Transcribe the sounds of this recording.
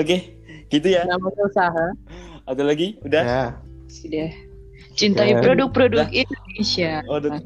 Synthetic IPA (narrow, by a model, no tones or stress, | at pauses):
oke | ɡit̪ujanamasosaɦaat̪alaɡiuda | sida | t͡ʃint̪aipɾodʊk̚pɾodʊkindonesiaod